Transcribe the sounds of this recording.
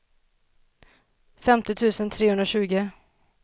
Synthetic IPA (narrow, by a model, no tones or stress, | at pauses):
fɛmt̪ɪt̪ʰʉ̟ːsənt̪ʰɾeːhɵnd̪ɾaɕʉ̟ːɡə